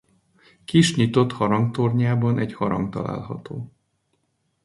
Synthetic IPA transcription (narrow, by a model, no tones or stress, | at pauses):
kiʃɲit̪o̞t̪hɒɾɒŋkt̪orɲaːbɒnʔɛɟhɒɾɒ̰ŋkt̪ɒ̰la̰ːlɦɒt̪oː